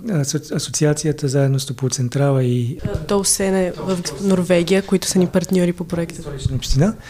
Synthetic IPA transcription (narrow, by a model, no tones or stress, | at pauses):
ɐsot̪siat̪sijət̪əzaɛd̪nost̪opot̪sɛnt̪ɾalˠəit̪ɔsɛnɛvəfnoɾvɛɡijəkoit̪ʊ̥sənipɐɾt̪nʲɔɾipopɾoɛkt̪əit͡ʃnəopʃt̪ina